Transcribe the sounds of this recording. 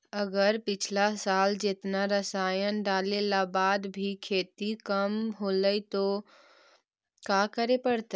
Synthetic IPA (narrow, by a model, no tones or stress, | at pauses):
əɡəɾpɪt͡ʃʰlasaːld͡ʒɪt̪naɾəsaːjənɖaːlelabaːd̪bʱikʰeːt̪ikəmɦoːləit̪o | kaːkəɾepəɽt̪ː